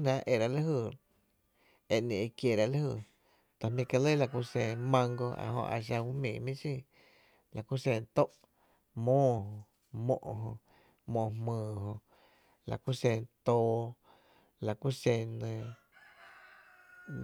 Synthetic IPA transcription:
nã˧ʔʔe˧˨ɾa˧la˦ɦɨː˧˨ | e˧ʔnẽ˨˧kje˧˨ɾa˧la˦hɨ˧˨ | t̪a˨mĩ˧ka˧lə˦la˧ku˧sẽ˧mã˧ŋɡo˧a̰˨ɦõ̰˧ʔa̰˧˨ʃ̬a˧wu˦mĩː˨mĩ˦sĩ˦˧ | la˨ku˦sẽ˧nt̪o˦ʔ | mõː˦˨hõ˧ | mõ̰˧ʔɦõ˧ | mõ˧˨˧mmɨ̃ː˧ɦõ˧ | la̰˨ku˦sẽ˧nt̪oː˧ | la˨ku˦sẽ˧nẽ˧

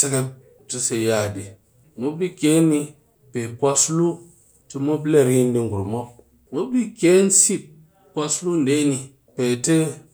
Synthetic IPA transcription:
te˦ke˦p̚ | tu˦se˨ja˦˨di˨ | mo˦bi˦kʲe˨˦ni˧ | pe˨kwa˦slu˦ | ti˦mo˦ble˦˨ɾi˦n˦di˦ŋ̩˨ɡu˨ɾmo˦ | mo˦bi˦kʲe˦n̩˦si˦˨t̚ | kwa˧slu˦n̩˨de˦ni˧ | pe˨te˦

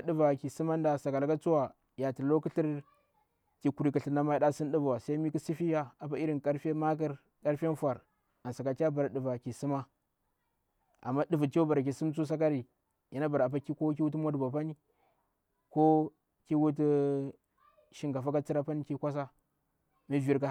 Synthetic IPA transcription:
a˦ɗu˨va˨ki˨si˦ma˦nda˨sa˨ka˨lka˦t͡su˦wa˨ | ja˨ti˨lo˦ku˦ɬi˦ɾ | ki˨ku˨ɾi˨˦ki˨ɬi˨ɾna˦ma˦i˦ɗa˦si˦nɗu˦vu˨wa˨sa˦i˦mi˦ku˦si˦fi˦ja˦a˨p̬a˦i˦ɾi˦˨nka˦ɾfma˦k̬a˦ɾ | ka˦ɾfa˦nfʷa˨ɾ | a˨nsa˨ka˨t͡ʃʲa˦ba˨ɾa˨ɗu˨va˨ki˨si˦ma˦ | ʔa̰˨mːa˦du˨vu˨ka˦ba˨ɾa˨k̬ʲi˨su˦mt͡su˦s̬a˦k̬a˦ɾi˨ | ji˨na˦ba˨ɾa˨p̬a˦ki˦ko˦ki˦wu˦tu˦mʷa˦dba˨pa˦ni˦ | ko˦ | ki˦wu˦t̬i˦ | ʃi˦ŋɡa˨fa˦ka˦t͡si˦ɾa˦pa˦ni˦ki˦kʷa˦s̬a˦ | mi˦vi˦ɾka˦

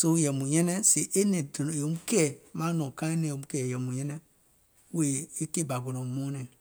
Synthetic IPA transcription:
so˦jɛ˨mũ˨jɛ̃˦nɛ˦se˨ʔe˦nẽ˨do˨n˨o˨˦m˦kɛ˦˨mã˦nɔ̃˨kã˦e˦nẽ˨o˨m˦kɛ˨jɛ˨mũ˨jɛ̃˦nɛ̃˦ | we˨e˦ke˦˨ba˨ɡo˨nõ˨mõ˦nẽ˨

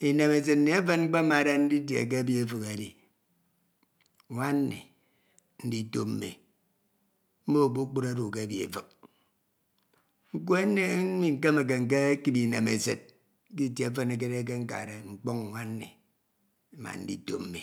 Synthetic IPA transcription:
i˨ne˨me˨s̬e˨tn̩˦ne˨e˦fe˦nŋ͡m̩˦k͡pe˦ma˨ɾe˦n̩˦di˦tjḛ˨k̬e˦a˦bi˦e˨fɨ˨ke˨di˨ | ŋʷa˦n˦nḭ˨ | n̩˦di˦to˦m̩˦mḛ˨ | m̩˦mo˦˨bo˦k͡pu˦ɾa˦ɾu˨k̬e˦bi˨ḛ˨fɨ˨k̚ | ŋ̩˦ko˦e˦ne˦˨˦mi˨ŋ̩˦˨ke˦me˨k̬e˨ŋ̩˨k̬e˦ki˦bi˨ne˨me˨se˨t̚ | ki˦˨tje˨e˦fe˦ne˨k̬e˦ɾe˦k̬e˦ŋ̩˦ka̰˨ɾe˨ŋ͡m̩˨k͡pɔ˦ŋ˨ŋʷa˦n˦nḭ˨˦ | ma̰˨n̩˦dḭ˦to̰˦m̩˨mḭ˨

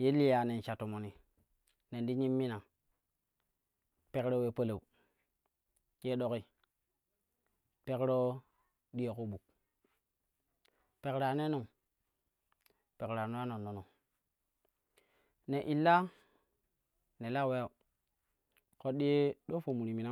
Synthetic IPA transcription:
je˦li˦ja˨ne˨n˨t͡ʃa˨to˨mo˨ni˨ | ne˨ndi˦ɲi˦mːi˦na˨ | pe˦kɾo˦we˦pə˦le˨u˨ | je˦ɗo˦ki˦ | pe˦kɾo˦ | ɗi˦e˨ko˦ɓu˨k̚ | pe˨kɾa˨ne˦no˨ŋ | pe˨kɾa˨no˦a˦no˨nːo˨no˨ | ne˨ʔi˨lːa˦ | ne˨la˦˨we˦a˨ | ko˦ɗi˦je˦ɗo˦fo˨mu˨ɾi˨mi˨na˦

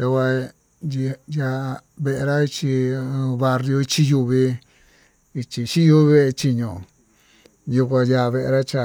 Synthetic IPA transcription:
t̪a˧kʷa˧ | i˧ja˧βe˧ʔe˧ɾa˦i˧t͡ʃĩ˧βa˧rjo˧i˧t͡ʃi˧ju˧βi˧ | i˧t͡ʃi˧t͡ʃi˦ju˦˧βi˧˦βe˧t͡ʃi˧ɲõ˨ | ju˧kʷã˧ja˧βe˧ʔḛ˧ɾa˦t͡ʃa˧

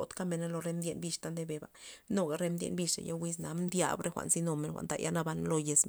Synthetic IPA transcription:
t̪ka˦me˧na˦lo˧ɾe˧md̪ʲje˧nbi˧ʂt̪a˦nd̪e˧be˧ba˨no˦ɡa˨˧ɾe˧md̪ʲjḛ˧nbi˧ʂḛ˨ja̰˦wi˦sna˨˦mnd̪ja̰˧bɾʔe˦xʷa̰˨ʔnsi˧no˧me˧nxʷa̰˨nd̪a̰˨jʔa˦na˧ba˧nlo˧je˧sm

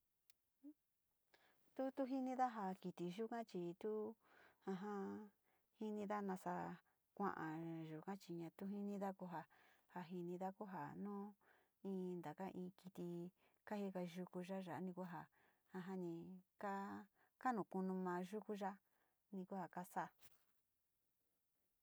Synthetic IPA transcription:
t̪u˦t̪u˦ɦi˦nĩ˦ða˦ɦa˧ki˧t̪i˧ʒu˦kã˦t͡ʃi˧t̪u˦ã˧ɦã˧ | hi˦nĩ˧ða˦nã˧sa˧ | kʷã̰˦ʔã˨ʒu˨kã˦t͡ʃi˧ɲã˧t̪u˦ɦi˦nĩ˦ða˦ku˧ɦa˧ha˧ɦi˧nĩ˧ða˦ku˦ɦa˨nũː˦ | ĩː˧˦nd̪a˨ka˦ʔĩː˧ki˧t̪i˧ | ka˦hi˧ka˧ʒu˧ku˧ʒa˦ʒa˨ʔnĩ˧kʷa˦ɦa˨ | ã˧ɦã˦nĩ˧ka˦ | ka˦nũ˨ku˧nũ˧mãː˧ʒu˦ku˦ʒa˦ | nĩ˧ku˦ha˨ka˦sa˦˨

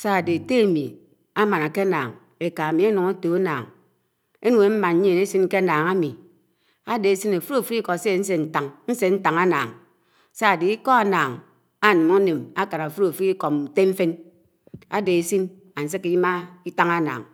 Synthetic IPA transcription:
sa˦a˨de˨te˦a˨mi˨ | a˦ma˨na˨ke˦a˦naː˨ŋ | e˨ka˨mi˨˦a˦nu˨ŋa˦to˨a˦naː˨ŋ | e˦nu˨e˨˦m̩˦ma˨n˦ɲe˦˨ne˦si˦n˦ke˦a˦naː˨ŋa˦mi˨ | a˦de˨e˦si˦na˨fu˦ɾfu˦ɾi˦kɔ˨se˦˨˦n̩˦s̬e˨n̩˨ta˨ŋn̩˦se˨n̩˦ta˨ŋa˦na̰ː˨ŋ˨ | sa˦a˨de˨i˦kɔ˦a˨naː˨ŋ | a˦˨nu˨ma˦ne˨ma˦ka˨na˨fu˦ɾo˨fu˦ɾi˦kɔ˨n̩˨te˦m̩˦fe˦n | a̰˦de˨e˨si˦n | a˨n̩˨s̬e˦ki˨ji˦ma˦i˦ta˦ŋa˦na̰ː˨ŋ

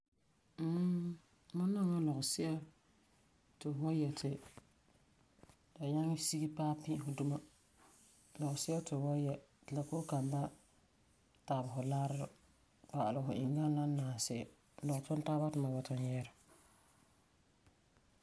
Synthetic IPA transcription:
m̩ː˦ | mʊ˦nːa˦ŋa˦lɔ˨ɣʊ˨sɪ˦ʔɛ˦ | tɪ˨wɔ˦jɛ˨tʰɪ˨ | da˨ɲa˦ŋ˦si˦ɡi˦paː˦pɪ̃˦ʔɦʊ˨du˦ma˦ | lɔ˨ɣʊ˨sɪ˦ɛ˦tɪ˨wɔ˦jɛ˨d̥ɪ˨la˨ko˦ka˨mba˦ | ta˨bʊ˨ɦʊ˨la˦ɾɾ | pa˨ʔa˨lʊ˨ɦʊ˨ʔɪ˨ŋɡa˦n˦na˦naː˨sɪ˦˨ɛ˨ | lɔ˨ɣʊ˨tʊ˦n˦taː˦ba˦tʊ˨ma˨ba˨ta˦njɛ˦ɾɪ˨

